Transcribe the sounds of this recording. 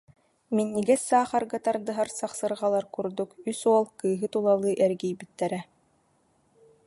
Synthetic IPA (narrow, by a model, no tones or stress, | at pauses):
minːiɡɛsːaːχaɾɡat̪aɾd̪ɯɦaɾsaχsɯɾʁalˠaɾkuɾd̪ukysuɔlˠkɯːɦɯt̪ulˠalˠɯːʔɛɾɡijbit̪ːɛɾɛ